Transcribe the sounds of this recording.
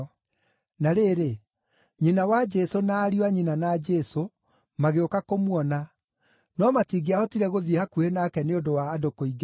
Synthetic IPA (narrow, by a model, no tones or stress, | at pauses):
naɾeɾe | ɲinawad͡ʒɛsonaːɾiwaɲinanad͡ʒɛso | maɣeokakomwɔna | nɔmatiɡeahɔtiɾɛɣoðihakuhenakɛneondowaːdokoiɡ